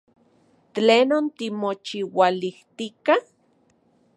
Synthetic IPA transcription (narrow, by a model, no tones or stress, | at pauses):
t̪leːnont̪imot͡ʃiwaliht̪ika